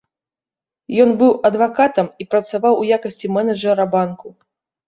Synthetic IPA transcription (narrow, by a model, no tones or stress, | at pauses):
jɔnbɨwɐd̪vakat̪ɐmipɾɐt̪savawujakɐsʲt͡sʲimɛnɐʐɛɾɐbanku